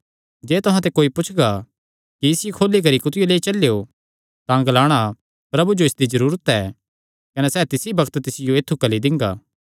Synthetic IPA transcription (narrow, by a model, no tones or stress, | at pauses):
d͡ʒeːt̪ʊɦãt̪̬ekoːipʊt͡ʃʰɡa | kiɪsɪjikʰoːlik̬ɐɾikʊt̪ɪjoleːit͡ʃɐleːjo | t̪ãɡlaːɽ̃a | pɾɐbud͡ʒoɪsd̪izɐɾuːɾət̪ɛː | kɐnɛsɛːt̪ɪsibɐkʰt̪t̪ɪsɪjoeːt̪ʰːukɐlid̪ɪ̃ŋɡa̰ː